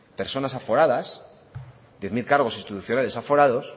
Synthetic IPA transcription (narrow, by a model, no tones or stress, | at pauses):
pe̞ɾso̞nasafo̞ɾaðas | d̪ðjeθmilkaɾɣ̞o̞sinst̪it̪uθjo̞nale̞safo̞ɾaðo̞s